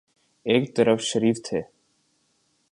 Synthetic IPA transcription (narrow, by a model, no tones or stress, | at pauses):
eːkt̪əɾəfʃəɾiːft̪ʰeː